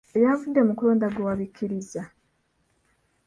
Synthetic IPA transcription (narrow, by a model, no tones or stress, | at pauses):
ejavudːemukuloːndaɡwowaβikʰːiɾiza